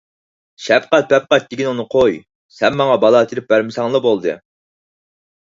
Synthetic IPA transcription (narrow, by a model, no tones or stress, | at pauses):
ʃɛpqæt̪̚bɛp̚qæt̪̚d̪ɪkʲinunɨqʰoj | sɛnmɑŋɑbɑlˠɑt̪ʰiɾɪp̚bæɾmɪsɑŋlˠɑbolˠd̪ɨ̰